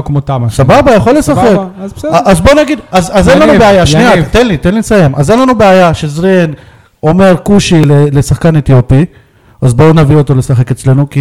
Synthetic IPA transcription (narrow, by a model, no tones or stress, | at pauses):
kmot̪asababajaχo̞lːesaχekʔazbo̞naɡid̪azazenlannubeajaʃnniat̪enlit̪enlisaje̞mʔazenlanubeajaʃezʁen | o̞me̞ʁkuʃilelesaχkanet̪jo̞pi | azbo̞navio̞t̪o̞le̞saχe̞ket͡sle̞nuki